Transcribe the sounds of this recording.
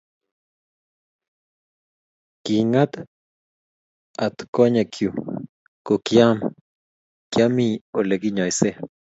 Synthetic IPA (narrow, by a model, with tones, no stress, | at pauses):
kiŋat̪ | a˨t̪ko˦ɲe˨kʰju˨ | ko˨kja˦n | kjami˨o˨le˨ki˦ɲa˨jse˦